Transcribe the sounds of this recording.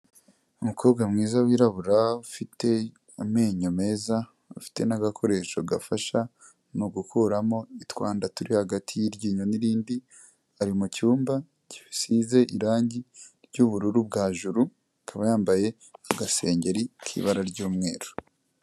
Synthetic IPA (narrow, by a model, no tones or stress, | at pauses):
umukʰo̞ːbɡamŋiːzawiːɾaβuɾaufitʰe̞ | ame̞ːɲome̞ːza | ufi̥te̞naɡakʰo̞ɾe̞ʃoɡa̰faʃa | noɡukʰuɾamo̞itwaːndatuɾihaɡatʰijiɾɟiːɲoniɾiːndi | aɾimucuːmba | ɟifisize̞ʔiɾaːɲɟiɾɟuβuɾuɾubɡaːʒuɾu | akʰaβajaːmbaje̞ | aɡase̞ːɲɟe̞ɾikʰḭβaɾaɾɟuːmŋe̞ːɾo